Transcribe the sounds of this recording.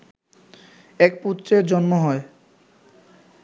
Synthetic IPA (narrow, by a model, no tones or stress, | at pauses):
ɛk̚put̪ːɾeɾd͡ʑɔnmoɦɔe